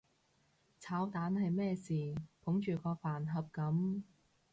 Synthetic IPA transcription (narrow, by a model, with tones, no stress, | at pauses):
t͡sʰaː˨˥wt̪aː˨˥nhɐ˨jmɛː˥˧siː˨˩pʰʊ˨˥ŋt͡ʃyː˨kɔː˧faː˨˩nɦɐ˨p̚kɐ˨˥m